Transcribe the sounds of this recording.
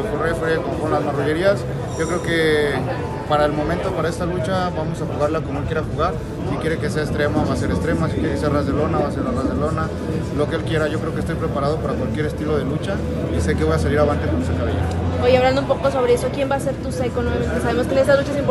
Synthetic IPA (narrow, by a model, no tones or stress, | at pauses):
korefɾekomofeɾonlazmaruʝe̞ɾias | ɟ͡ʝo̞kɾe̞oke̞ | paɾae̞lmo̞mẽnt̪o̞paɾae̞st̪alut͡ʃaβamosaxuɣaɾlako̞moelkjeɾaxuɣaɾ | sikje̞ɾeke̞se̞aest̪ɾe̞moβase̞ɾest̪ɾe̞moas̬ikesisearazðelo̞naβaseɾarazðelo̞na | lo̞keelkje̞ɾaʝo̞kɾe̞okest̪ojpɾe̞paɾað̞o̞paɾakwalkje̞ɾe̞st̪ilo̞ð̞e̞lut͡ʃa | ise̞ke̞βojasaliɾaβant̪ekones̬ekaβḛja | ojaβland̪oumpokoso̞βɾeeso̞kje̞mbase̞ɾt̪usekonwoeament̪esaβe̞moskeest̪azlut͡ʃas̬imp